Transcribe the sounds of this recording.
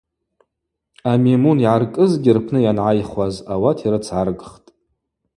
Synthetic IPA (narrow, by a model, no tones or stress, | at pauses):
amemuniʕarkʼɨzɡʲɪrpʰnɨjanʕajχwazawatʰiɾɨt͡sʰʕarɡχtʼ